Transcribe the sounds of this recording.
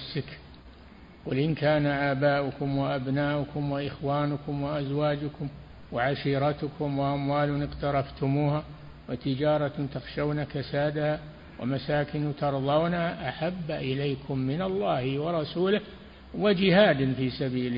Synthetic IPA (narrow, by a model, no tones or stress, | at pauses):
sɪk | quːlʔɪnkaːnaʔaːbaːʔʊkʊmwɪʔabnaːʔʊkʊmwɪʔɪxwaːnʊkʊmwɪʔazwaːd͡ʒʊkʊm | wɪʕaʃiːɾˤɑt̪ʊkʰʊmwɪʔamwaːlʊnɪqt̪ɑɾˤɑft̪ʊmuːha | wɪt̪ɪd͡ʒɑːɾˤɑt̪ɑxʃawnakasaːd̪aha | wɪ̰masaːkɪnʊt̪ɑɾˤðˤɑwnaʔaħabːaʔɪlajkʰʊmːɪnalˤːɑːhwɑɾˤɑsuːlɪ | wɪd͡ʒɪhaːd̪nfiːsabiːl